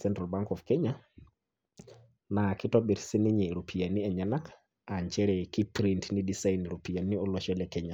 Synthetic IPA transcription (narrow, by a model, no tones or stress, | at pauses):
sɛntɾalbaŋkɔfkɛɲa | nakitoɓiɾsiniɲɛɾupʰijanːiɛɲanak | aɲt͡ʃɛɾɛkipɾintnidisajniɾupijanːiɔlɔʃɛlɛkɛɲa